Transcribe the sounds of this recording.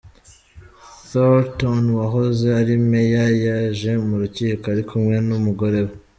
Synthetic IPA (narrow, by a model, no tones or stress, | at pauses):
θoltonwaɦo̞zeaɾimejajaʒe̞muɾuciːkoaɾikʰumŋe̞numuɡo̞ɾe̞βo